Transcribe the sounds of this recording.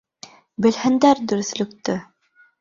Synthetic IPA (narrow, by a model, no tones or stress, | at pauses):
bɘ̆lhɘ̆nd̪æɾd̪ɵ̆ɾɵ̆θlɵ̆kt̪ɘ